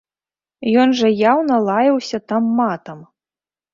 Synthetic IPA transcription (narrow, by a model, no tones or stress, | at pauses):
jɔnʐɐjawnɐlˠajɐwsʲɐt̪amːat̪ɐm